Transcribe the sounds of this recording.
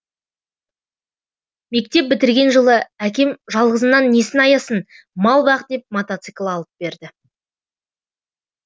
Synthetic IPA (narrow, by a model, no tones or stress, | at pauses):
me̞k̚t̪e̞p̚bɪt̪ɪɾɡʲe̞nʒəlˠəækʲe̞mʒɑlˠʁəzənːɑnːe̞sɪnɑjɑsən | mɑlˠbɑq̪̚d̪e̞p̚mot̪at̪sɨklˠɑlˠəp̚b̥e̞ɾd̪ɪ